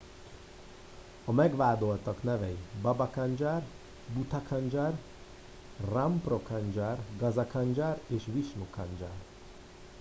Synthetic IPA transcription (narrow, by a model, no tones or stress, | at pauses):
ɒmɛɡʋaːd̪olt̪ɒknɛvɛibɒbɒkand͡ʒaːr | but̪ɒkʰɒnd͡ʒar | ramprokand͡ʒarɡɒzɒkʰɑnd͡ʒaːreːʃʋiʃnukʰand͡ʒa̰ːr